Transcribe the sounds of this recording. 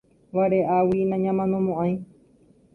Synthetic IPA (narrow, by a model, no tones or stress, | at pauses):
ʋaɾeʔawinãɲãmãnõmõʔãj̃